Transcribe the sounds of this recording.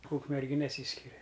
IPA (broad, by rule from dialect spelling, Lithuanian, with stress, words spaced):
uːkmʲɛrʲˈɡʲɪ nʲɛˈsʲiːsʲkʲɪrʲɛ